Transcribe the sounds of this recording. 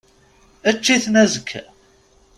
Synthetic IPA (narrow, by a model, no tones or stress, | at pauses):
æt͡ʃːiθnæzəkʰː